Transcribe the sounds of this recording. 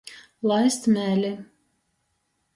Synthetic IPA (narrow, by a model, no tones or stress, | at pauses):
lˠajst̪mʲɛːlʲi